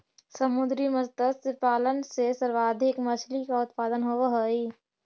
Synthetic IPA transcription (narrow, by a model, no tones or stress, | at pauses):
səmʊd̪ɾiməsd̪əd̪sɪpaːlənsesəɾʋaːd̪ʱɪkmɐt͡ʃʰlikaʊt̪̚paːd̪ənɦoʋaɦəiː